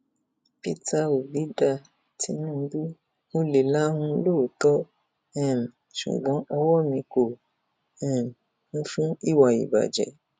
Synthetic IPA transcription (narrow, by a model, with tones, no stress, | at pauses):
pi˦ta˧o˨li˨˦da˦˨ | tʰi˧˦nũ˦˨n̩˦bi˦ | o˦le˨la˦hũ˧˦loː˦˨tɔ˦ | ɛ̃˦˨m˨ | ʃṵ˨ɡ͡bɔ̃˨˦ʔɔ˧wɔ˦mĩ˧ko˨ | ɛ̃˦˨m˨ | nũ˦fũ˦i˦˨wa˨ḭ˨ba̰˨d͡ʒɛ̰˨˦